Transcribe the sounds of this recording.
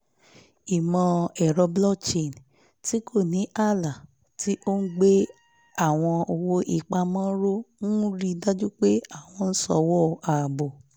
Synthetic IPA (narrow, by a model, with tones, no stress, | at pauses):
i˨mɔ̃˧ɛ˨ɾɔ˧blɔ˦t͡ʃe˦˨n | ti˦kʰo˦˨nĩ˨˦ʔa˦˨la˨ | tʰi˦ʔo˦n̩˦ɡ͡be˦ | a˦˨w̃ɔ̃˧o˧wo˧ʔi˨k͡pa˧mɔ̃˦ɾo˦nũ˦ɾi˧da˦d͡ʒu˦k͡pe˦a˦˨w̃ɔ̃˧n̩˦sɔ̰˧wɔ˦˨a˨bo˨